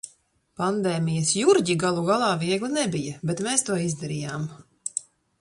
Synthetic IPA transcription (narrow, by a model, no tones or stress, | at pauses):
pand̪eːmijɐsjuɾɟiɡalˠuɡalˠɑːviɛɡlʲˠinɛbijɐbet̪meːst̪uɔizd̪aɾijaːm